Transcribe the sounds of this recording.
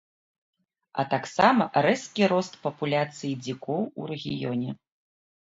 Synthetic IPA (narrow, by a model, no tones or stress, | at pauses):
ɐ̰t̪aksamɐɾɛskʲiɾɔst̪pɐpulʲat̪sɨjid͡zʲikɔwurɛɣʲḭjɔnʲɛ